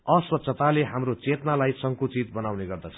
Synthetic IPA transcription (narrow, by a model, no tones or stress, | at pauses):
ʌswʌt̪ːsʰʌt̪aleɦamrot͡set̪nalajsʌŋkut͡sit̪̚bʌnawneɡʌrd̪at͡sʰʌ̥